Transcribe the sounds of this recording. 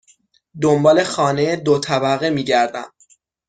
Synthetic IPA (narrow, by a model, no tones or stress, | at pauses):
d̪ombɒːle̞xɒːnejed̪ot̪ʰæbæɣemiːɟæɾd̪æ̰m